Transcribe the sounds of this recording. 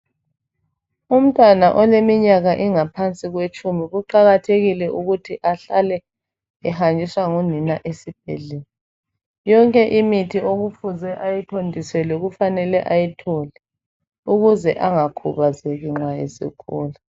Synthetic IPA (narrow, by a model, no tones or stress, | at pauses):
um̩tʼwanaʔɔlemiɲaɣaʔiŋapʰant͡sʼiɣwet͡ʃʼumiɣuǃaɣatʰeɣilɛʔuɣutʰiʔaɬalɛ | ɛhand͡ʒʱiswaŋuninaʔesib̥̚ʱɛ̰ɮeli | jɔŋkʼɛʔimitʰioɣufuzɛʔajitʰondʱisɛlɛɣufanɛlɛʔajitʰɔlɛ | uɣuzɛʔaŋakʰuβazɛɣiŋ͡ǁwajɛzḭkʰɔːla